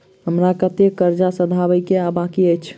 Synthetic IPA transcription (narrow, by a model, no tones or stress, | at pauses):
ɦəmɾakət̪ekəɾd͡ʒasəd̪ʱabəkeabakiəjt͡ʃʰ